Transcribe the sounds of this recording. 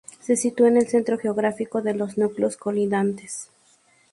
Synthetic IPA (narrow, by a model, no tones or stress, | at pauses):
se̞sit̪uaene̞lse̞nt̪ɾo̞xe̞oɣɾafiko̞ðe̞lo̞znukleoskoliðant̪es